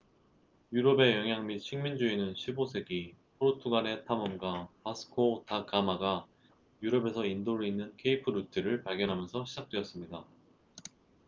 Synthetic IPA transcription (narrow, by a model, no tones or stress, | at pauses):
juɾʌbe̞jʌŋjaŋmit͡ɕʰiŋmind͡ʑuinɯnɕʰibosʰe̞ɡipʰɯɾotʰuɡaɾe̞tʰamʌmɡapasʰɯ̥kʰotakamaɡa | juɾʌbe̞sʰʌindoɾɯinːɯnkʰe̞ipʰɯɾutʰɯɾɯɭpaɭɡjʌnɦamjʌnsʰʌɕʰid͡ʑak̚t͈we̞ʌs͈ɯmɲida